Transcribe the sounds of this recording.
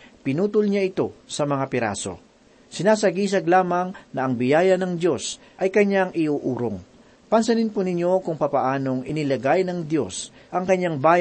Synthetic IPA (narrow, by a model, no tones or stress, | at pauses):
pɪnuːt̪ʊlɲaʔɪt̪o̞sɐmɐŋapɪɾa̰ːso̞̰ | sɪnaːsɐɡiːs̬ɐɡlaːmɐŋnɐʔɐŋbɪjaːjɐnɐŋd̪jo̞s | ʔɐjkɐɲːaŋʔɪʔuːʔuːɾoŋ | pɐnsɐninponɪɲjo̞kʊŋpɐpɐʔaːno̞ŋʔɪnɪlɐɡajnɐŋd̪jo̞s | ʔɐŋkɐɲːaŋbaːj